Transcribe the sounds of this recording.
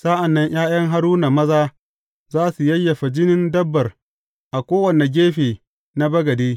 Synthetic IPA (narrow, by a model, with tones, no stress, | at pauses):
sa˦ʔa˨nːɐ˦ɲj̰aː˦jɐ˦ŋɦa˦ɾuː˦na˨mɐ˦zaː˦ | zaː˦su˨jɐ˦jːɐ˨ɸa˨d͡ʒɪ˦nɪ˦ndɐ˦bːɐ˨r | ʔa˨kʷoː˦wɐ˨ne˨ɡʲeː˦ɸeː˨ | na˦bɐ˦ɡɐ˨diː˦